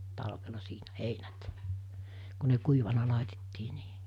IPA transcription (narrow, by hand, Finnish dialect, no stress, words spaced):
tɑlʋelɑ siːnæ heinæt ku ne kuiʋɑnɑ lɑˑitetːiː niː